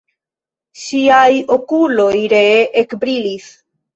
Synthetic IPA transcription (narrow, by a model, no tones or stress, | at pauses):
ʃiajo̞kulo̞jɾeʔekbɾilis